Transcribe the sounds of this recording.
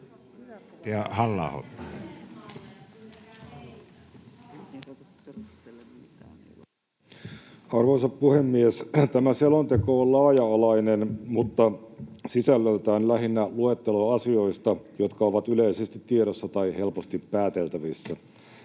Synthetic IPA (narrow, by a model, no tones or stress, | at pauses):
æhɑlːɑ̰ːho̰t̪ː | ɑrʋoisɑppuhemːiest̪æmæselont̪e̞koːllɑːjɑɑlɑinenmut̪ːɑsisælːøyt̪æːnlæɦinːæluet̪ːeloɑsio̞ist̪ɑjot̪kɑoʋɑt̪yle̞isest̪it̪ːieɾosːɑt̪ɑihe̞lpost̪ipːæːt̪e̞lt̪æʋisːæ